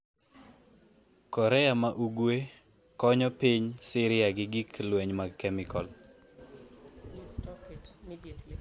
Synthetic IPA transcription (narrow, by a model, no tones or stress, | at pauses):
kɔɾɛamaʔuɡwe | kɔɲɔpiɲsɪɾɪaɡɪɡiklwɛɲmaɡkɛmɪkɔl